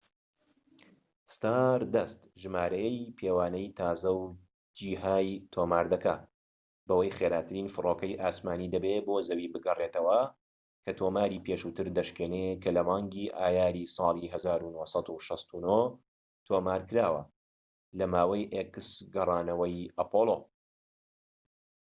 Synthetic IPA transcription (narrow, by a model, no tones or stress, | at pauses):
st̪aːɾd̪ɐst̪ʒɨmaːɾɐjɛjpʰeːwaːnɐjt̪ʰaːzɐw | d͡ʒiːɦaːjt̪ʰoːmaːɾd̪ɐka | bɐwɐjχeːɾaːt̪ʰɨɾinfɨroːkɐjʔaːsmaːniːd̪ɐbeboːzɐwiːbɨɡɐret̪ɐwɐ | kʰɐt̪ʰoːmaːɾiːpeːʃuːt̪ɨɾd̪ɐʃkeːnekɐlɐmɑːŋɡiʔaːjaːɾisˤɑːlˠiɦɐzaːɾunosˤɑd̪uʃɑst̪uno | t̪ʰoːmaːɾkɨɾaːwɐ̰ | lɐmaːwɐjʔekɨsɡɨrˤɑːnɐwɐjʔɐpoːlˠo